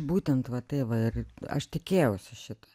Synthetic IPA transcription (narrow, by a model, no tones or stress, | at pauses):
buːt̪ʲɛnt̪ʋɐt̪ɐɪʋɐɪrɐ̰ʃt̪ʲɪkʲeːjɛʊsʲɪʃʲɪt̪ɐ